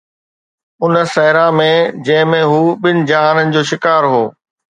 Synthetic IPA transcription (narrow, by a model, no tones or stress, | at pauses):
ʊnəsɐɦɪɾãmẽd͡ʑɐ̃ɦɪ̃mẽɦuːɓɪnɪ̆d͡ʑaːnənɪ̆d͡ʑoːʃɪkaːɾɦoː